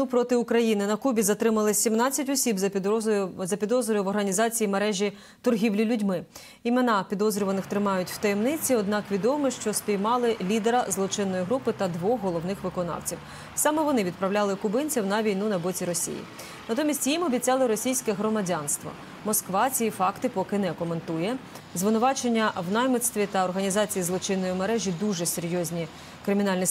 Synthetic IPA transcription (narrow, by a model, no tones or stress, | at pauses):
upɾɔt̪ɪʊkɾɐjinɪnɐkubʲizɐt̪ɾɪmɐlˠɪsʲimnɑt͡sʲːɐtʲɔsʲibzʲjzɐpʲid̪ɔzɾʲʊjʊʋɔrɦɐnʲizɑt͡sʲijimeɾɛʒʲi | t̪ɔrɦʲiwlʲilʲʊdʲmɪ | imenɑpʲid̪ɔzɾʲʊʋɐnɪxt̪ɾɪmɑjʊtʲw̥t̪ɐjɛmnɪt͡sʲiɔd̪nɑkʋʲid̪ɔmɪʃt͡ʃɔsʲpʲijmɑlˠɪlʲid̪eɾɐzlˠɔt͡ʃɪnːɔjiɦɾupɪt̪ɐd̪ʋɔxɦɔlˠɔwnɪxʋɪkɔnɑ̰wt͡sʲiw | sɑmɛʋɔnɪʋʲid̪̚pɾɐwlʲalˠɪkʊbɪnʲt͡sʲiwnɐʋʲijnunɐbɔt͡sʲiɾɔsʲḭjḭ | nɐt̪ɔmʲisʲtʲjimɔbʲit͡sʲɑlˠɪɾɔsʲijsʲkɛɦɾɔmɐdʲɑnst̪ʋɐ̰ | mɔskʋɑt͡sʲijifɑkt̪ɪpɔkɪnɛkɔme̞nt̪ujɛ | zʋɪnʊʋɑt͡ʃenʲːɐwnɑjmɪt̪st̪ʋʲit̪ɐɔrɦɐnʲizɑt͡sʲijizlˠɔt͡ʃɪnːɔjimeɾɛʒʲid̪uʒɛseɾʲjɔzʲnʲi | kɾɪmʲinɑlʲnʲi